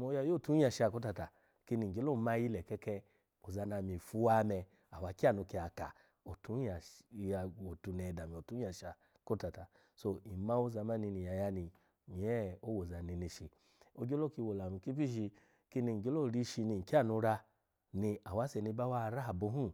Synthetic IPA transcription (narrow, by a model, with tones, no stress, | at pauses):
mo˧˦ja˧˨jo˦˨tu˨˦a˧ʃa˧˨ko˦ta˧ta˨ | ki˧ni˧˨ŋ̩˨ɡe˦lo˦˧ma˧˦˧ji˦lɛ˨kɛ˦kɛ˧ | o˨za˧na˧˨mi˨fu˧˦wa˦˧˦mɛ˧ | a˨wa˨˧ki˦a˦˨nu˧ki˧a˨ka̰˨ | o˨tu˨˦a˨˧a˨o˨tu˧nɛ˨da˨mi˨o˨tu˨˦a˧ʃa˨ | ko˦ta˨ta˨ | so˧i˨ma˦o˧˦za˧ma˦ni˧ni˨ja˨ja˧ni˧ | mi˨ɛ˦o˦wo˨za˨ni˧ni˧ʃi˧ | o˧˦ɡo˦lo˦ki˧wo˨la˨mi˨˧˨ki˦pi˦ʃi˧ | ki˧ni˧˨ɡe˦lo˦˨˧ɾi˧˦ʃi˧ni˧˨ki˦a˦˨nu˧ɾa˧ | ni˧a˨wa˨˦sɛ˧ni˧˦ba˦wa˦˧ɾa˦a˨bo˧˦ɦũ˦